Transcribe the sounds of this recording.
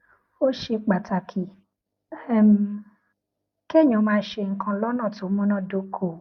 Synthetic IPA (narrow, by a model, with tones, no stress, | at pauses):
o˦ʃe˧k͡pa˨ta˨kʰi˨ | ɛ˦˨m˦ | ke˦˨ɲ˨ɔ̃˨˦mãː˧˦ʃe˧ŋ̩˨kʰã˧lɔ˦nã˦˨to˨˦mũ˦nã˦˨do˨˦kʰo˨